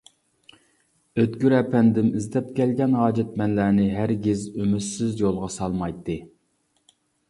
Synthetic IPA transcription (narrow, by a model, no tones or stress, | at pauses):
øt̪ɡʲyɾɛpʰɛnd̪ɪmizd̪ɛp̚kʲɛlɡʲɛnɦɑːd͡ʒɛt̪̚mɛnlæːnɪɦæɾɡʲɪzømyt̪sɪzjolˠʁɑsɑlˠmɑjt̪ʰːɨ